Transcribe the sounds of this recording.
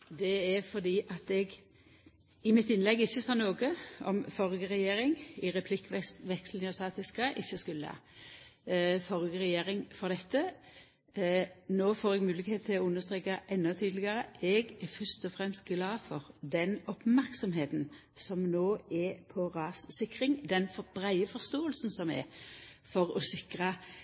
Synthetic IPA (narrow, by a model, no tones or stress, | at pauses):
d̪ɛɛfɔd̪iːʔɑt̪ɛɡ | ɪmɪt̪ɪnlɛɡːɪçːəsɑːnoːɡəɔ̰mfɔʁɡəʁɛjeːɾɪŋɪʁɛpʰlɪkːʋɛkslnɪɑsɑːt̪ɪskəʔɪçːəskʉlːə̰hɑ̰ | fɔʁɡəʁɛjeːʁɪŋfɔʁd̪ɛt̪ʰːə | noːfoːɾɛɡmʉːlɪkheːt̪ʰɪlɔʊnːəʁst̪ʁeːkɑʔɛnːɔt̪ʰyːd̪lɪɡɑʁəɛɡɛfœst̪ɔfʁɛmst̪̚ɡlɑːfɔʁd̪ɛnɔpmæɾksɔmɦeːt̪n | sɔmnoːɛpʰɔʁɑːssɪkʁɪŋd̪ɛnfbʁæɪəfɔʁst̪oːəlsn̩sɔmɛ̰fɔʁɔsɪkʁə